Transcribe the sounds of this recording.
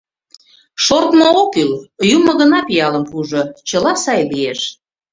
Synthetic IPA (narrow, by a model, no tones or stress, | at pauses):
ʃort̪mookyljumə̆ɣə̆nɑpijɑləmpuʒot͡ɕəlɑsɑjlieʃ